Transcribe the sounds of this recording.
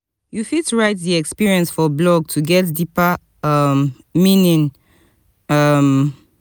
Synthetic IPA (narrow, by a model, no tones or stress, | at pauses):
jufituɹaɪt̚ðiɛkspiɹiə̃nsfɔblɔɡ̚tʰuɡɛt̚dipa | ʌm | mĩnĩn | ʌm